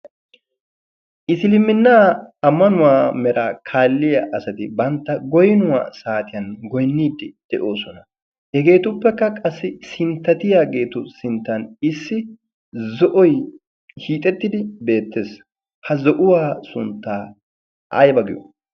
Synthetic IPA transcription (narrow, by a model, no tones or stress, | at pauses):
ʔɪsɪlɪmːɪnːaːɐmːɐnʊwaːmɛɾaːkʰaːlːɪjaʔɐsɐt̪ɪbɐnt̪ːɐɡɔjnʊwa̰ːsaːt̪ɪjɐnɡɔjnːiːd̪ːɪd̪̥ɛʔo̞ːsɔnɐ | hɛɡe̞ːt̪ʊpːɛkːɐkʼɐsːɪsɪnt̪ːɐt̪ɪjaːɡe̞ːt̪ʊsɪnt̪ːɐnɪsːɪ | zɔʔɔj | hiːt̪ʼɛt̪ːɪd̪ɪbe̞ːt̪ːe̞ːs | hɐzɔʔʊwaːsʊnt̪ːaː | ʔɐ̰jbɐɡɪjo̰